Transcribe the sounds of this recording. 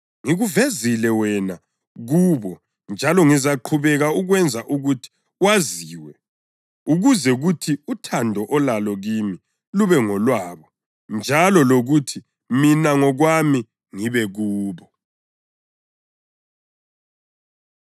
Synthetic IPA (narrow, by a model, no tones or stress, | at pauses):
ŋiɣuvezilɛwɛna | ɣuːβɔ | nd͡ʒʱalɔŋizaǃʰuβɛɣauɣwɛnd͡zʱaʔuɣutʰi̥ | waziːwɛ | uɣuzɛɣutʰiutʰandʱɔʔɔlalɔɣimi | luβɛŋɔlwaːβɔ | nd͡ʒʱalɔloɣutʰi | minaŋɔɣwami | ŋiβɛɣuːβɔ